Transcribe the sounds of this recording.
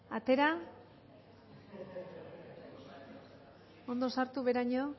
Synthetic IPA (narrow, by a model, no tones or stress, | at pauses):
at̪e̞ɾa | o̞nd̪o̞saɾt̪uβe̞ɾaɲo